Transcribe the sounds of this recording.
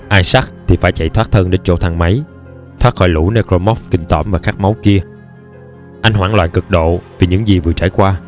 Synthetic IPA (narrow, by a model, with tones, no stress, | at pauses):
ʔaː˧jsa˦˥k̚t̪ʰi˨˩faː˧˩jt͡ɕa̰˧˨jt̪ʰwaː˦˥t̚t̪ʰəː˧nɗe˨˦nt͡ɕo̰˧˥t̪ʰa˨˩ŋmə˨˦j | t̪ʰwaː˦˥t̚xɔ̰˧˦jlṵ˧˥ne˧kɾo˧mɔ˦˥fkï˧˩ŋ̟t̪ɔ̰˧˩mvaː˨˩xaː˦˥k̚ma˨˦wki˧ə | ʔa˧jŋ̟ɦwaː˧˩ŋlwa̰ː˧˨nkɨ˨˩k̚ɗo̰˧˨vi˨˩ɲɨ̰˧˥ŋzi˨˩vɨ˨˩ət͡ɕaː˧˩jkwaː˧